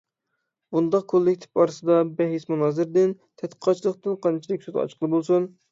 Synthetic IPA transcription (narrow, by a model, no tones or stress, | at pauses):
bund̪ɑq̚kʰolˠːɪkʲt̪ʰɪ̥p̚ɑɾɨsɨd̪ɑbɛɦismunɑːzɨɾd̪ɪn | t̪ʰɛt̪qʰə̥qʰɑt͡ʃʰilˠəqt̪ɨnqʰɑnt͡ʃʰilɪkʲsut̪ɑ̰t͡ʃʰqʰəlˠɨbolˠsun